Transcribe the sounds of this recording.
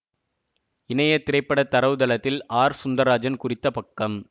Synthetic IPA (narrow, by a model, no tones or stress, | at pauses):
ɪnɐjɐt̪ːɪɾɐɪpːɐɽɐt̪ːɐɾɐʋðɐlɐt̪ːɪlaːɾsʊnd̪ɐɾaːd͡ʒɐnkʊrɪt̪ːɐpɐkːɐm